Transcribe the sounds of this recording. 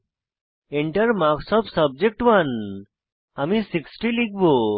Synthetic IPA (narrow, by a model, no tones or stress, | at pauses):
ɛɳʈəɾmaksɔpsəb̚d͡ʒek̚ʈwan | amisiksʈiliɡ̚bo